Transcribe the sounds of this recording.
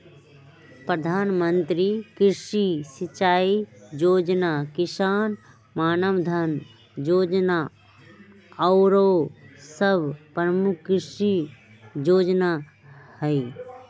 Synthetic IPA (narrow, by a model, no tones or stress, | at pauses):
pɾəd̪ʱaːnmə̃nt̪ɾikɪɾʃisɪt͡ʃaːid͡ʒoːd͡ʒnakɪʃaːn | maːnəmd̪ʱən | d͡ʒoːd͡ʒna | ɔʊɾoːsəbpɾəmʊkːɪʃi | d͡ʒoːd͡ʒna | həi